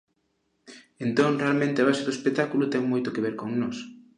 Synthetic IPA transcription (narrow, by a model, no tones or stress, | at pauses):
ent̪õŋrealmẽnt̪eβaseðoespekt̪akulut̪ɛŋmojt̪okeβeɾkoŋnos